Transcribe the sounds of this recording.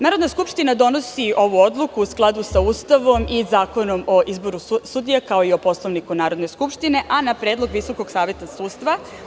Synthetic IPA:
naːɾo̞d̪naskupʃt̪inad̪o̞no̞siʔo̞ʋuo̞d̪lˠukuusklˠad̪usauːst̪aʋo̞mizaːko̞no̞mo̞ʔizbo̞ɾusud̪ijakao̞io̞po̞slˠoʋnikunaːɾo̞d̪ne̞skupʃt̪ine̞ʔanapɾe̞ːd̪lˠo̞ɡʋiso̞ko̞ɡsaːʋje̞t̪asuːt̪st̪ʋa

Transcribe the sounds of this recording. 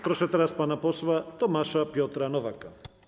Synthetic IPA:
pɾoʃɛt̪ɾaspanaposvat̪omaʃapjot̪ɾanɔvaka

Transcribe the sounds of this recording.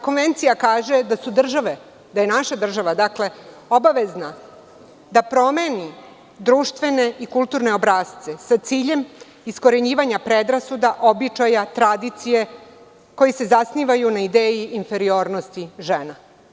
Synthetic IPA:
ko̞nʋe̞nt̪sijakaːʒed̪asud̪r̩ʒaʋe | d̪ajenaʃad̪r̩ʒaʋad̪akle̞ | o̞baʋe̞zna | d̪apɾo̞me̞ːni | d̪ɾuːʃt̪ʋe̞ne̞ikulˠt̪uɾne̞o̞bɾaːst̪se̞sat̪siːʎe̞m | isko̞ɾe̞ɲiːʋaɲapɾe̞d̪ɾasud̪aʔo̞bit͡ʃajat̪ɾad̪it̪sije̞ | ko̞jise̞zasniːʋajunaid̪eːjiːnfe̞ɾio̞ːɾno̞st̪iʒeːna

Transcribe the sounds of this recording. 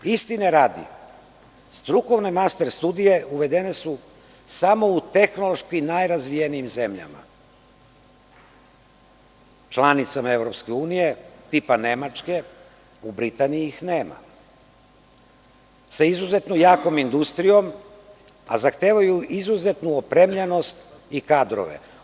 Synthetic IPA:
ist̪ineɾaːd̪ḭ | st̪ɾuko̞ʋnemast̪e̞ɾst̪ud̪ije̞ʔuʋe̞d̪e̞ne̞su | samo̞ut̪e̞xno̞lo̞ʃkimnajɾazʋijenijimze̞mʎa̰ma̰ | t͡ʃlˠanit̪samae̞vɾo̞pske̞uːnije̞t̪ipane̞mat͡ʃke̞ | ubɾit̪anijiixne̞ːma̰ | saizuze̞t̪nojaːko̞mind̪ust̪ɾijo̞m | a̰zaxt̪e̞ːʋajuizuze̞t̪nuopɾemʎeno̞st̪ | ikaːd̪ɾo̰ʋḛ

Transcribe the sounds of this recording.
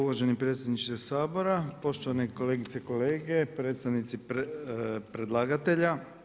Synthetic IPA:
uʋoʒenipɾet̪sjed̪nit͡ʃt̪osaːbo̞ɾapo̞ʃt̪o̞ʋaneko̞leɡit̪seko̞leːɡe̞pɾe̞ːt̪st̪aʋnit̪si | pɾed̪lˠaːɡat̪e̞ʎa

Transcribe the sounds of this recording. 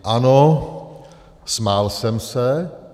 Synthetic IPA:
ʔano | smaːlsɛmsɛ

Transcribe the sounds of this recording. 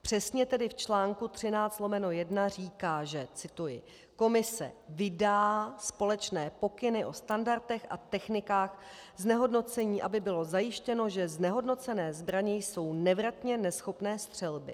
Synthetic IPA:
pr̝̥ɛsɲɛt̪ɛdɪft͡ʃlaːŋkut̪r̥ɪnaːt͡st̪lo̞mɛnojɛdnar̝iːkaːʒɛt͡sɪt̪ujɪ̰ | ko̞mɪsɛ̰vɪdaːspo̞lɛt͡ʃnɛːpo̞kɪnɪʔo̞st̪andaɾt̪ɛxʔa̰t̪ɛxnɪkaːxznɛɦo̞dno̞t͡sɛɲiːʔabɪbɪlo̞zajɪʃcɛno̞ʒɛznɛɦo̞dno̞t͡sɛnɛːzbɾaɲɛjso̞wnɛvɾat̪ɲɛnɛsxo̞pnɛːst̪r̝̥ɛlbɪ̰

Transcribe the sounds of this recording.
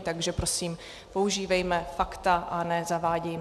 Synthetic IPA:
t̪aɡʒɛpɾo̞siːm | po̞uʒiːvɛjmɛfakt̪aʔanɛzavaːɟɛj

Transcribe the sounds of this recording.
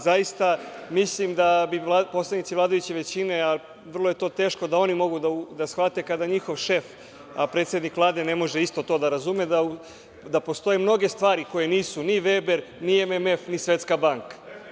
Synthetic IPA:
zajist̪amislimd̪abiapo̞slˠad̪nit̪siʋlˠaːd̪ajut͡ɕeʋe̞t͡ɕine̞a | ʋr̩lˠoje̞t̪o̞ːt̪e̞ːʃko̞d̪ao̞nimo̞ɡud̪aud̪asxʋat̪e̞kad̪aɲixoʋʃe̞f | apɾe̞t̪sje̞d̪nikʋvlˠaːd̪e̞ne̞mo̞ʒeist̪o̞t̪o̞d̪aɾazumed̪au | d̪apo̞st̪o̞jemno̞ɡe̞st̪ʋaːɾiko̞je̞niːsuniʋebeɾniememe̞fnisʋe̞t̪skabaŋkḁ

